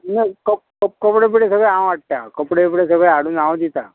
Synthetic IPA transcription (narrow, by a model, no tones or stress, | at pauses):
nəkəkəp̚kəpɽep̬iɽesəɡɭeãw̃aʈ̚t̪akəpɽepiɽesəɡɭeaɽuːnaʋ̃d̪it̪a